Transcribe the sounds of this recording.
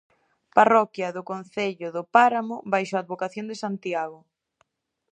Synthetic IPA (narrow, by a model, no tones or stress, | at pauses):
parɔkjɐðʊkon̟θeʎʊðʊpaɾamʊβajʃoad̪̚βokaθjond̪esant̪iaɣʊ